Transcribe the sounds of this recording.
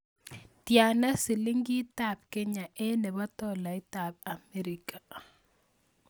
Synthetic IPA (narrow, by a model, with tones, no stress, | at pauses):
tja˨na˦sɪ˨li˦ŋɡi˦ta˦˨b̚ke˦ɲa˨ʔɛ˦nɛ˨ba˦tɔ˦˨la˨ɪ˦ta˨b̚a˨me˦ɾi˨ka˨